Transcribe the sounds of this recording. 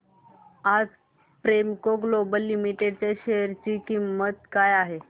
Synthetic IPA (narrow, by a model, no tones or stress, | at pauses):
ad͡z | pɾemkoɡlobəlːimiʈeɖ̚t͡ɕeɕeəɾt͡ɕikimːət̪kajaɦe